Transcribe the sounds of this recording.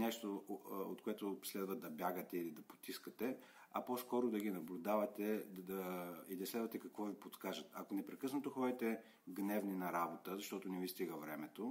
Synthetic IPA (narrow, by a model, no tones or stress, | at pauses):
nɛʃt̪oo̰t̪̚koɛt̪ʊslɛd̪vəd̪ɐbʲjaɡət̪ɛilid̪ɐpo̥t̪iskət̪ɛ | ɐpɔskɔɾʊd̪ɐɡinɐblʲʊd̪avɐt̪ɛd̪ɐid̪ɐslɛd̪vɐt̪ɛkɐkvɔvipot̪kaʒət̪ɐkonɛpɾɛkɤsnɐt̪oxɔd̪ɛt̪ɛ | ɡnɛvninɐɾabot̪əzɐʃt̪ɔt̪ʊnɛvist̪iɡəvɾɛmɛt̪o